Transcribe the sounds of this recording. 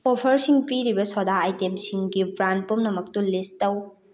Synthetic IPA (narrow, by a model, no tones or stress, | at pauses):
opʰɐɾsiŋpiɾibɐsodaːjtemsiŋɡibɾant̚pumnɐmɐk̚tulistɐw